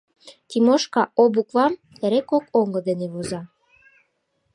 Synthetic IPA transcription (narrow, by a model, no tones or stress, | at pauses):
t̪imoʃkɑʔobukvɑm | t̪eɾekokoŋɡɤ̆d̪eneβozɑ